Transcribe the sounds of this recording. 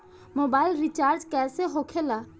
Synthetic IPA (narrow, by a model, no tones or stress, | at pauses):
moːbaːɪlɾit͡ʃaːɾd͡ʒkɛːseɦoːkʰelaː